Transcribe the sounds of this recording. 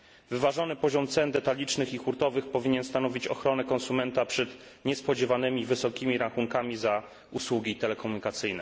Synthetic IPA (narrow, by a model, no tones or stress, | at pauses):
vɘvaʐɔnɘpɔʑɔmt̪sɛnd̪ɛt̪alʲit͡ʂnɘxixuɾt̪ɔvɘxpɔvʲiɲɛnst̪anɔvʲit͡ɕɔxɾɔnɛkɔnsumɛnt̪apʂɛt̪ɲɛspɔd͡ʑɛvanɘmʲivɘsɔkʲimʲiɾaxuŋkamʲiza | uswuɡʲiːt̪ɛlɛkɔmuɲikat̪sɘjnɛ̰